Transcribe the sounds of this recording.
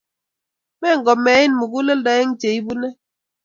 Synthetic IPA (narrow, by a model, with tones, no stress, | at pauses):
mɛ˦˨ŋ̩˨ɡɔ˨mɛ˨˦ji˦n˨mu˨ku˦le˦lda˨je˦ŋ̩˦te˨i˦bu˦ne˦